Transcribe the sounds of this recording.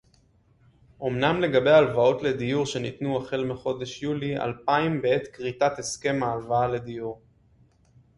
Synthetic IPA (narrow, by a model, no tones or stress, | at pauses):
ʔo̞mnamle̞ɡabe̞jalvao̞tle̞d̪ijuʁʃe̞nit̪nuaχelmeχo̞d̪eʃjulia̰lpaimbee̞t̪kʁit̪at̪e̞ske̞maːlvaale̞d̪ijuʁ